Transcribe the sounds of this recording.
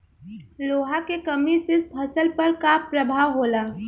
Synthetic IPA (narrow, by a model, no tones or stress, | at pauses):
loːɦakekəmisɪsbʰʱəsəlpəɾkapɾəbʱaːwɦoːlaː